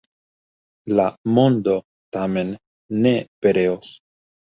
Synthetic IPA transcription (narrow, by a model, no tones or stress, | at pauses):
lamo̞ndo̞ | tame̞nː | e̞pe̞ɾe̞os